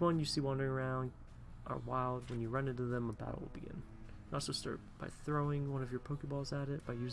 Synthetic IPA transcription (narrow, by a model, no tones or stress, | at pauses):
wʌ̃njɨsiwɑ̃ndə˞ɪ̃ŋə˞ãʊ̃nd | ʔə̰˞waɪlˠd̚wə̃njɨɹʌ̃nɨ̃ntɨðɨ̃məða̰ɾ̰wɪ̰lˠbiɡɪ̰̃n | nətsoʊstɑ̰ɹt̚b̥aɪθɹoʊɪ̃ŋwʌ̃nʌvjə˞pʰoʊkɨt̚b̥ɔlˠzəɾɪt̚b̥aɪjʉz